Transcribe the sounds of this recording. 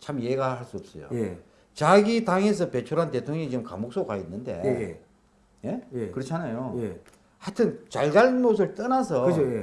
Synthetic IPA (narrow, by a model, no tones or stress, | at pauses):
t͡ɕʰamjeɡaaɭs͈uʌp̚s͈ʌ̰jo̰je | t͡ɕaɡitaŋe̞s̬ʰʌpe̞t͡ɕʰoɾante̞tʰoŋɲʌŋit͡ɕɯmka̰mok̚s͈okainːɯnde̞̰j | je̞jekɯɾʌt͡ɕʰanajoje | hatʰɯnt͡ɕaɭd͡ʑaɭnos̬ʰɯɭt͈ʌnasʰʌɯt͡ɕʰoje